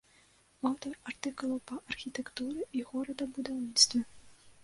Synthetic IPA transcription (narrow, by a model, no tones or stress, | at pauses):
awt̪ɔrɐrt̪ɨkʊlˠɐwpɐʔɐrxʲit̪ɛkt̪uɾɛiɣɔɾɐd̪ɐbud̪awnʲit̪st̪vɐ